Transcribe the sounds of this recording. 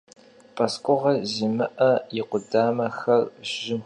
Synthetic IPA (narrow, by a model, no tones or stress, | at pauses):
pʰʼɐskʷʼʊʁɐziːmɨʔɐjɪqʷʊdaːmɐxɐrʒɪm